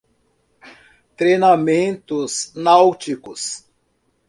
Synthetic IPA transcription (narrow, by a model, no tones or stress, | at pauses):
t̪ɾejnamẽnt̪ʊznawt͡ʃikʊs